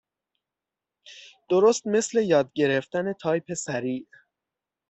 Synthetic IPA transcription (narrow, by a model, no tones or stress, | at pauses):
d̪̥oɾost̪me̞sle̞jɒːd̪̚ɟe̞ɾe̞ft̪æne̞t̪ʰɒːjpʰe̞sæɾiːʔ